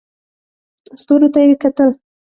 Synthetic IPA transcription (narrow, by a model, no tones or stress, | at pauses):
ost̪oɾot̪ajekat̪əl